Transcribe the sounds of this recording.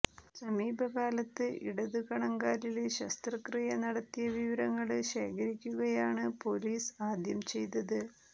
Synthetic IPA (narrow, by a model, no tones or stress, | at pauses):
sɐmiːbʱɐkaːlɐt̪ːɨʔḭɽɐðukɐɳɐŋɡaːɾilɕɐst̪rɐkrɨjɐnɐɽɐt̪ːijɐʋiʋɐɾɐŋːɐɭɕe̞ːkʰɐɾikʲːuɣɐjaːɳɨpo̞liːsaːd̪ʱjɐmt͡ɕe̞jt̪ɐðɨ